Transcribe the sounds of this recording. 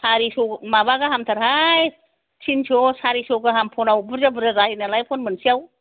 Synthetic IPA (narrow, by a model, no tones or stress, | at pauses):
sʰaɾisɔmabaɡaɦamtʰaɾɦaj | sinsʰosaɾisɔɡaɦampʰɔnawbɯɾd͡ʒabɯɾaɾahinalajpʰɔnmɯnsijaw